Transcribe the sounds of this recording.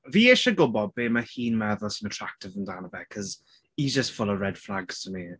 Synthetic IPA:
viːɪʃəɡʊbɔbeːməhiːnmɛðəlˠsə̃nətʰɹ̥ak̚tɪvə̃ndanəbɛkʰəz | id͡ʒəstfʊləvɹɛd̥flaɡz̥tʰəmi

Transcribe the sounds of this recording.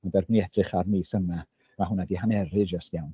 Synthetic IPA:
ɔndɛrbniɛdrɨχarmiːsəna | maɦʊnadiɦanɛɾɨd͡ʒəstjawn

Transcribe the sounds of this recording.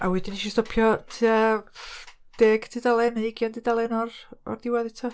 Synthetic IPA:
awɛdɪniʃistɔpʰjɔtʰiːa | d̥eːɡ̥tʰiːdalˠɛnaɪɡjandidalˠɛnɔrɔ̰rðɪwaðɪtʰɔ

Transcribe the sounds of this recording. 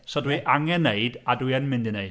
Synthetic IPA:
sɔdwiʔaŋɛnːeɨdadwiɛnmɪndɨneɨ

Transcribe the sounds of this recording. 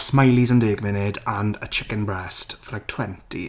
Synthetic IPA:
smajlizə̃ndeːɡmɪnɪdə̃nə̰t͡ʃʰɪkə̃nbɹɛstfəlajk̚tʰw̥ɛ̃ntḭ

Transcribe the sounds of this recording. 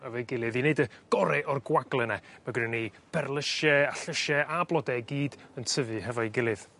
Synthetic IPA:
hɛvɔjɡɪlˠɨðineɨdəɡ̥ɔɾɛʔɔrɡwaɡlˠɛnɛmaɡəɾɪni | b̥ɛrlˠəʃɛaɬəʃɛʔablˠɔdɛɡiːdəntʰəvɨɦɛvɔjɡɪlˠɨð̥

